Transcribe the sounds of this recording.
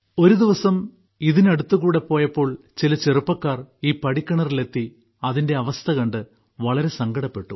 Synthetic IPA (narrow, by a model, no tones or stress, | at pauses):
o̞ɾud̪iʋɐsɐm | iðinɐɽut̪ːuɣuːɽe̞pːo̞ːjɐpːo̞ːɭ | t͡ɕilɐt͡ɕerupːɐkːaːriːpɐɽikʲːɐɳɐrile̞t̪ːi | ɐðinde̞ɐʋɐst̪ʰɐɣɐɳɖɨ | ʋɐɭɐɾe̞sɐŋɡɐɽɐpːe̞ʈːu